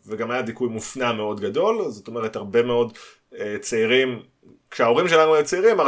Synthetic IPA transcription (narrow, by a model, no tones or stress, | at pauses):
veɡamajad̪ikujmufnameo̞dɡado̞lzot̪o̞meʁethaʁbe̞me̞o̞d | et͡seiʁim | kʃeao̞ʁimʃe̞lanuajut͡seiʁima